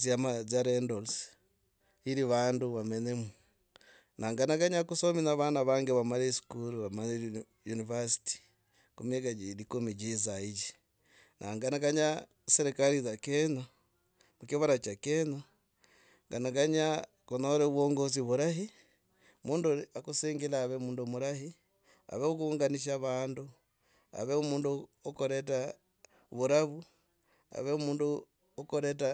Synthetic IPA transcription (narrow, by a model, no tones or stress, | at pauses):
zamazaɾendols | iɾiβaːnduβamenemu | naŋɡanaɡaɲakusominaβaːnaβaːŋɡeβamaɾesu̥kuluβamale | junivasi̥ti̥ | kumjeɡaɟiɾikomiɟizaiɟi | nʔaŋɡanaɡaɲa | seɾikalizakeɲo | mukiβaɾat͡ʃakeno | ŋɡanaɡaɲa | konoɾeβoŋɡoz̬iβuɾahi | muːnduakuseŋɡelaːβemuːndumuɾahi | a̰βeukuŋɡaniʃ̬aβaːndu | a̰βeomuːndu | okoɾeta | βuɾaβu | a̰βemuːndu | okoɾet̬a